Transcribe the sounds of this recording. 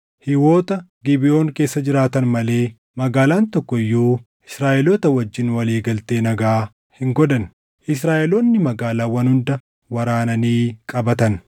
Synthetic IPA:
hɪwo̞ːt̪ɐɡɪbɪo̞ːŋke̞ːsːɐd͡ʒɪɾaːt̪ɐnmɐle̞ː | mɐɡaːlaːnt̪ɔkːɔɪjːoː | ɪsɾaːʔɛloːt̪ɐwɐd͡ʒːɪnwɐliːɡɐlt̪e̞ːnɐɡaː | hɪŋɡɔd̪ɐn | ʔɪs̬ɾaːʔɛloːnːɪmɐɡaːlaːwɐnhʊnd̪ɐ | wɐɾaːnɐniːkʼɐbɐt̪ɐn

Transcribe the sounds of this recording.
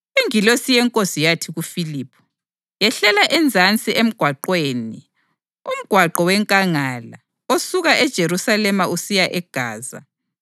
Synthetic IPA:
iŋilosijɛŋkʼosijatʰiɣufiliːpʰu̥ | jɛɬɛlaʔɛnd͡zʱant͡sʼiʔem̩ɡ̥ʱwaǃweːni | um̩ɡ̥ʱwaǃɔwɛŋkʼaŋala | osuɣaʔɛd̥ʒ̥ʱeɾusalɛmausijaʔɛɡ̥ʱaːza̰

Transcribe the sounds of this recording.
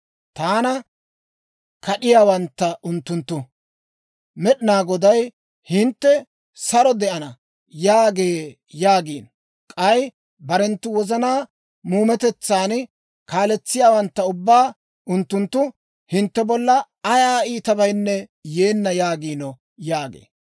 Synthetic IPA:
t̪aːnɐ | kɐɗɪjaːwɐnt̪ːɐʔʊnt̪ːʊnt̪ːʊ | mɛɗɪnaːɡɔd̪ɐj | hɪnt̪ːɛ | sɐɾɔd̪ɛʔɐnɐ | jaːɡeː | jaːɡiːn | kʼɐj | bɐɾɛnt̪ːʊwɔzɐnaː | muːmɛt̪ɛt͡sːaːn | kaːlɛt͡sːɪjaːwɐnt̪ːɐʊbːaː | ʊnt̪ːʊnt̪ːʊ | hɪnt̪ːɛbɔlːɐ | ɐjaːiːt̪ɐbɐjnːɛjeːnːɐjaːɡiːnɔ | jaːɡḛː

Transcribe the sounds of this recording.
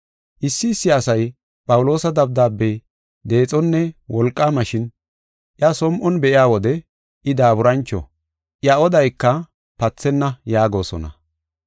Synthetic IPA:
ʔɪsːɪːsːɪɐsɐj | pʼɐwʊlo̞ːsɐd̪ɐb̚d̪aːbːej | d̪e̞ːt͡sʼɔnːɛwɔlkʼːamɐʃɪn | ʔjɐsɔmʔɔnbɛʔɪaːwɔd̪ɛ | ɪd̪aːbʊɾɐnt͡ʃːɔ̰ | ʔjɐɔd̪ɐjkːɐ | pɐt͡sːɛnːɐjaːɡo̞ːsɔ̰nɐ̰

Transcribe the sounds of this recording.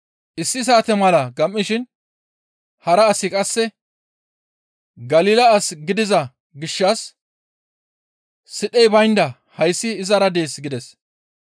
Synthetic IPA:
ʔɪsːɪs̬aːt̪ɛmɐlɐɡɐmʔːɪʃɪn | hɐɾɐːsːɪkʼɐsːɛ | ɡɐliːlɐːsɡɪd̪ɪzɐ | ɡɪʃːɐs | ɪɗɛjbɐjnd̪ɐ | hɐjsːɪːzɐɾɐd̪e̞ːsɡɪd̪ɛs

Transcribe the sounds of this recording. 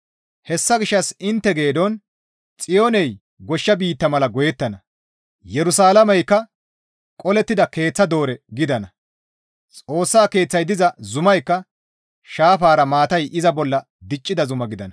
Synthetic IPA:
hɛsːɐɡɪʃːɐsɪnt̪ːɛɡe̞ːd̪ɔn | t͡sʼɪjonɛj | ɡɔʃːɐbiːt̪ːɐmɐlɐɡɔjɛt̪ːɐnɐ | jɛɾʊsaːlɐmɐjkːɐ | kʼɔlɛt̪ːɪd̪ɐke̞ːt͡sːɐd̪o̞ːɾɛɡɪd̪ɐnɐ | t͡sʼo̞ːsːaːke̞ːt͡sːɐjd̪ɪzɐzʊmɐjkːɐ | ʃaːfaːɾɐmaːt̪ɐjʔɪzɐbɔlːɐ | d̪ɪt͡ʃʼːɪd̪ɐzʊmɐɡɪd̪ɐnɐ

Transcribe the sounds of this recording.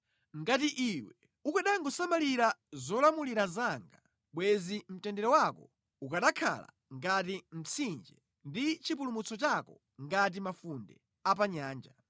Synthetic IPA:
ŋɡat̬iʔiwɛ | ukaɗaŋɡɔsamaliɾazɔlamuliɾazaŋɡa | ɓwɛzim̩tɛndɛɾɔwakɔ | ukaɗakʰa̰la̰ | ŋɡat̬im̩t͡sʰind͡ʒɛ | ndit͡ʃipulumut͡sʰɔt͡ʃakɔ | ŋɡat̬imafundɛ̰ | apaɲaːnd͡ʒa

